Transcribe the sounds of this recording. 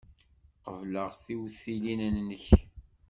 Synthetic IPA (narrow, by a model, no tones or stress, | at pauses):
qəvləʁθiwθilinnːəç